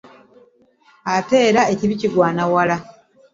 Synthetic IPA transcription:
ate̞ːɾae̞ciβiciɡwaːnawala

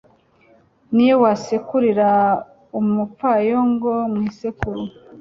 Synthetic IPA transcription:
nijewasekuɾiɾa | umufajoŋɡomŋiːsekuɾu

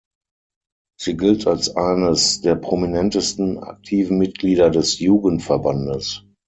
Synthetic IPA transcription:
z̥iːɡɪltʰalsʔaɪnəsd̥eːɐpʁ̥ominɛntəstn̩a̰k̚tʰiːvn̩mɪt̚ɡ̥liːdɐdɛsjuːɡəntfɛɐbandəs

